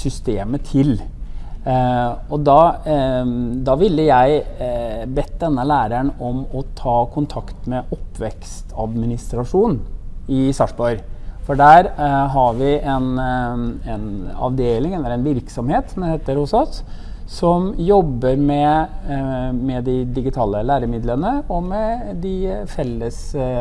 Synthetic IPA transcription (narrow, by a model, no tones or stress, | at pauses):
sʏst̪eːmət̪ʰɪl | ɔd̪ɑː | d̪ɑːʋɪlːəjæɪ | bɛt̪̚ːd̪ɛnːəlæːɾæɳɔmɔt̪ʰɑːkʰʊnt̪ʰɑkt̪mɛʔɔpːʋɛkst̪ʰɑ̰d̪mɪnɪst̪ɾɑʂuːnɪsɑʂbɔʏɾfɔɖæːɾɦɑɾʋɪʔɛn | ɛnɑ̰ʋd̪eːlɪŋɛɾɛnʋɪɾksɔmheːt̪sɔmd̪ɛheːt̪əɾhʊsɔs | sɔmjɔbːəɾmɛ | mɛd̪ɪd̪ɪɡɪt̪ʰɑːləlæːɾəmɪd̪lənəɔmɛd̪ɪfɛlːəs